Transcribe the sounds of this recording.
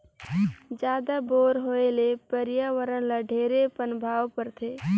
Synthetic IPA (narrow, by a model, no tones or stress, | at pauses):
d͡ʒaːd̪aboːɾɦoelepəɾjaʋəɾənlaɖʱeːɾepənbʱaːwpəɾt̪ʰeː